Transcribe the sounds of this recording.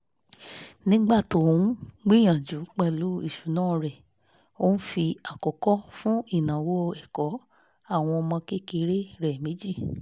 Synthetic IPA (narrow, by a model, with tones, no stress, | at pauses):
nĩ˦ɡ͡ba˦˨to˨˦ũ˦ɡ͡bi˦j̃ã˨d͡ʒu˨˦k͡pɛ˦˨lu˨˦i˦˨ʃu˨nãː˦˨˧ɾɛ˨ | o˦n̩˦fi˧a˨kɔ˨kɔ˦fũ˦i˦˨nã˨wo˦˧ɛ˨kɔ˨˦ | a˦˨w̃ɔ̃˧ɔ˧mã˧ke˦ki˧˦ɾe˦ɾɛ˨mẽ˨˦d͡ʒi˦˨